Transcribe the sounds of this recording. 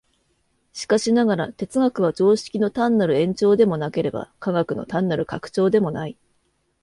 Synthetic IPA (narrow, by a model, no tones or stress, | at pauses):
ɕi̥kaɕinaɡaɾa̰t̪e̞t͡sɨɡakɯ̟β̞ad͡ʑo̞ːɕi̥kʲino̞t̪ãnːaɾɯ̟ẽ̞ɲ̟t͡ɕo̞ːd̪e̞mo̞nake̞ɾe̞ba̰kaɡakɯ̟no̞̰t̪ãnːaɾɯ̟kakɯ̟̥t͡ɕo̞ːd̪e̞mo̞nai